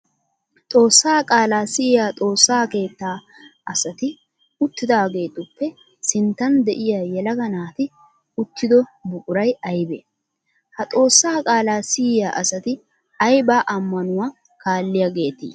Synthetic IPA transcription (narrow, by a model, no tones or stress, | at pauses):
t̪ʼo̞ːsːaːkʼaːlaːsɪjjaːt̪ʼo̞ːsːaːke̞ːt̪ːaː | ʔɐsɐt̪ɪ | ʊt̪ːɪd̪aːɡe̞ːt̪ʊpːɛ | sɪnt̪ːɐnd̪ɛʔɪjaːjɛlɐɡɐnaːt̪ɪ | ʊt̪ːɪd̪ɔbʊkʼʊɾɐjɐjbḛː | hɐt̪ʼo̞ːsːaːkʼaːlaːsɪjjaːʔɐsɐt̪ɪ | ɐjbaːʔɐmːɐnʊwaː | kaːlːɪjaɡe̞ːt̪ḭː